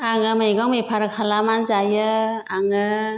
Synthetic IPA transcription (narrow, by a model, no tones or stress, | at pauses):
aŋɯmajɡɔŋmejpʰaɾɯkʰalamanzajɯaŋɯ